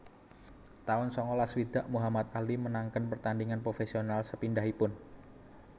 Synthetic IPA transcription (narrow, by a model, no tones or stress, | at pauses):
t̪aɔnsɔŋɔlaswid̪̥a̤ʔmuɦamat̪̚alimənaŋkənpərt̪andiŋanpɾofesionalsəpindaɦipʊn